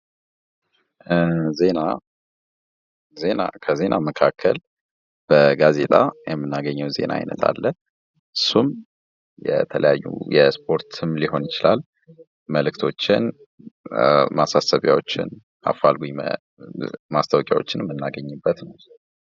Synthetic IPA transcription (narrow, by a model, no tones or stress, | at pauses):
ze̞na | ze̞na̰kʰəze̞nʔaməkʰakʰːəl | b̥əɡaze̞t̪ʼajɛmːɨnːaɡəɲːəwze̞̰naa̰jnət̪ʰa̰lːə | ʔɨsːum | jɛ̰t̪ʰələjajːṵjɛspʰo̞ɾt̪ʰɨmliho̞njɪt͡ʃɪlal | məlɨkt̪ʰo̞t͡ʃːɪn | masasəβja̰wo̞t͡ʃːɪ̰n | a̰falɡuj | mast̪ʰəwkʼjawo̞t͡ʃːɪnɨmːɨnːaɡəɲːɪbːət̪nəw